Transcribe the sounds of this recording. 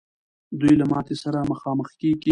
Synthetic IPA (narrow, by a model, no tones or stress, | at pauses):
d̪ujlamɑt̪esaɾaməxɑməxkeɡi